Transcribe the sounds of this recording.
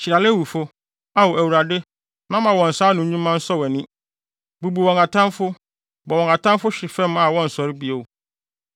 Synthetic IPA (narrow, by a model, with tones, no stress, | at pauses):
t͡ɕʰi˨ɾa˨lɪ˦wu˨fʊ˦ | a˦wo˨æ˨wu˨ɾa˨dɪ˦ | nã˦mã˨wɔ̃˨n̩˨saː˦nʊ̃˨˦ɲũ˦mã˦n̩˦sɔ˦wɛ˨nɪ̃˦ | bu˨bu˨wɔ̃˨ŋka˨tʰã˦mfʊ˦ | bɔ˨wɔ̃˨ka˨tʰã˦mfʊ˦ɕᶣɪ˨fɛ̃˦ma˨wɔ̃˦n̩˨sɔ˨ɾɪ˦bi˦o˨